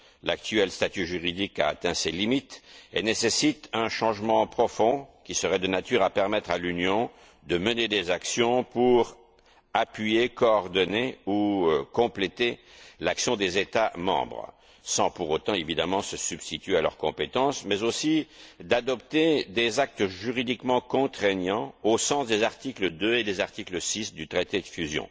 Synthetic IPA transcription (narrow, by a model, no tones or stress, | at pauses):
lakt̪yɛlst̪at̪yʒyʁid̪ika̰ːt̪ɛ̃selimit̪ḛnesesit̪ɛ̃ʃɑ̃ʒmɑ̃pχɔfɔ̃kʲisəʁɛd̪ənat̪yʁapɛʁmɛt̪χalynjɔ̃ | d̪əməned̪ezaksjɔ̃puʁ | apɥijekɔːʁd̪ɔneukɔ̃plet̪elaksjɔ̃d̪ezet̪amɑ̰̃bʁ | sɑ̃puʁot̪ɑ̃evid̪amɑ̃səsybst̪it̪ɥealœ̰ʁkɔ̃pet̪ɑ̃smɛzosid̪ad̪ɔpt̪ed̪ezak̚t̪əʒyʁid̪ikmɑ̃kɔ̃t̪χɛɲɑ̃osɑ̃sd̪ezaʁt̪ikləd̪øed̪ezaʁt̪ikləsisd̪yt̪χet̪ed̪əfyzjɔ̰̃